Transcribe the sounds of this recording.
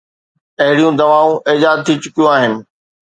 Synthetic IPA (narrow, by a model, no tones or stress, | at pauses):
ɐɦɪɽijũd̪ɐʋaːũʔɪːd͡ʑaːd̪̚t̪ʰit͡ɕʊkijũaːɦɪnɪ̆